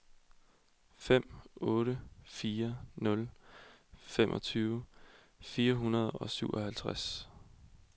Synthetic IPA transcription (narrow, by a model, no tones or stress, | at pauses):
fem̰ɔ̽ːɾəfiːɐnɔ̽l | femʔɒ̽t͡sʰyːʊə | fiːɐɦunɐð̞ˠɒ̽syʊ̰ʔɒ̽hælt͡sʰʁas